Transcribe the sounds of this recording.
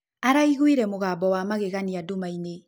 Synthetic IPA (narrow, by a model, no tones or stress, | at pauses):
aɾaiɣwiɾɛmoɣaːbɔwamaɣeɣaniadomaine